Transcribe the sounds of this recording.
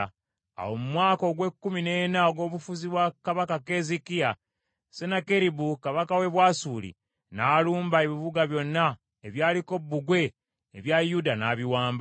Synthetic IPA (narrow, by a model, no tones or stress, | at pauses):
a̰wo̞mumwaːko̞ɡwe̞kːumine̞ːnaɡo̞ːβufuziβwakaβakakezikia | senakeɾibukaβakawe̞βwaːsuːlḭ | naːluːmbaeβiβuɡaβjo̞nːa | eβjaːliko̞bːuɡwe̞ː | βjajudanaːβiwaːmba